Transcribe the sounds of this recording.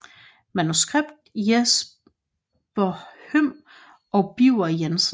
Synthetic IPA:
mænusɡ̥ʁeb̥d̥jes | b̥ɐhøm̰ | ɒb̥iʊ̰ɐjens

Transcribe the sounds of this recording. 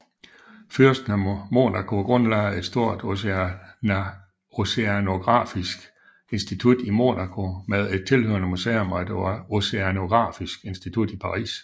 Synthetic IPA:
fyɐsd̥n̩æmo̝̰nɑkʰo̝ɡ̥ʁɔ̽nlɑɪe̝d̥sd̥o̝ɐ̰d̥ | ose̝æno̝ɡ̥ʁɑ̰̈ːfisɡ̥ | e̝nsd̥it͡sʰud̥imo̝̰nækʰo̝meðˠe̝d̥̚t͡sʰe̝lhø̰ɐnəmusḛːomɒd̥eɑo̝se̝æno̝ɡ̥ʁɑ̰̈ːfisɡ̥e̝nsd̥it͡sʰud̥ipʰɑ̈ʁḭːs

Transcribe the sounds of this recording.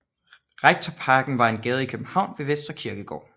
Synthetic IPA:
ʁeɡ̥̚t͡sʰɒpʰɑ̈ːɡ̥n̩ʋɑ̈e̝nɡ̥ɛːð̞ˠikʰøb̥m̩hɑ̈ʊ̰nʋe̝ʋesd̥ʁɐkʰiɐɡ̥əɡ̥ɒ̰ː

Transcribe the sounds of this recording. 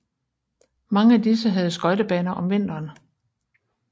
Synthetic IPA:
mɑ̈ŋəæd̥is̬əɦæð̞̩ˠsɡ̥ɒ̽ɪd̥əb̥ɛːnɐʔɒ̽mʋe̝n̰d̥ɐːn

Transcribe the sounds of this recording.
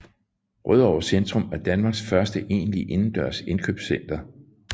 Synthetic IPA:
ʁœð̞ˠɒʊ̰ɐsend̥ʁɔmæɐd̥ænmɑ̈ːɡ̥sfɶɐsd̥əʔe̝̰ːnliʔe̝nn̩d̥ɶɐ̰se̝nkʰøːb̥sen̰d̥ɐ

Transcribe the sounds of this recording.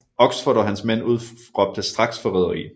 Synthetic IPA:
ɒ̽ɡ̥sfɔɾɒ̽ɦænsmen̰uð̞̰ˠ | ʁɒ̽b̥̚d̥əsd̥ʁɑ̈ɡ̥sfɒʁɛð̞ˠɐʁḭː

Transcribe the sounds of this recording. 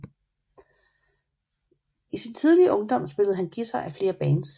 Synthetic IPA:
isint͡sʰið̞ˠliəʔɔ̽ŋd̥ɒ̽m̰sb̥e̝ləð̞̩ˠɦænɡ̥isɑʔæfle̝ːɐb̥ɛːns

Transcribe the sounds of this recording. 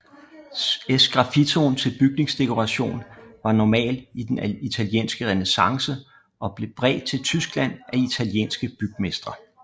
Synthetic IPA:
esɡ̥ʁɑ̈fit͡sʰo̝nt͡sʰe̝lb̥yɡ̥ne̝ŋsd̥e̝kʰo̝ʁɑ̈ɕo̝̰ːnʋɑ̈nɒmɛ̰ːldid̥enit͡sʰæljḛːnsɡ̥əʁɛnesɑ̈ŋsə | ʔɒ̽b̥le̝b̥ʁɛ̰ːd̥̚t͡sʰe̝lt͡sʰysɡ̥læn̰ʔæit͡sʰæljḛːnsɡ̥əb̥yɡ̥mesd̥ʁɐ

